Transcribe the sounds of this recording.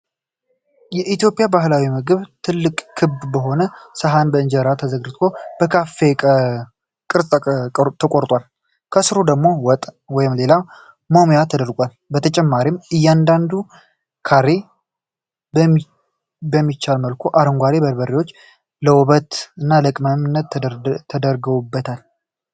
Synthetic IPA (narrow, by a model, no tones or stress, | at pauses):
jɛʔit̪jo̞pʼɪjabaɦlawimɨɡɨβt̪ʰɨlːɨkʼkʰːɨbbəɦo̞nəsəɦanbəɨɲd͡ʒəɾat̪ʰəzəɡɾɨt̪ʰo̞b̥əkʰafe | kʼɨɾsʼt̪ʰəkʼoɾt̪ʼwal | kʰəsɨɾud̪əɡmo̞wɔt̪ʼ | wɔjɪmle̞la | momujat̪ʰəd̪əɾɡʷal | bət̪ʰət͡ʃʼɛmːaɾimɨjːand̪and̪u | kʰaɾe | b | bəmːit͡ʃːalməlkʰuʔaɾəŋɡʷaɾebəɾbəɾewo̞t͡ʃː | ləwɔβət̪ɨnːaləkʼməmɨnːət̪t̪ʰːəd̪əɾɡəwubːət̪ʰal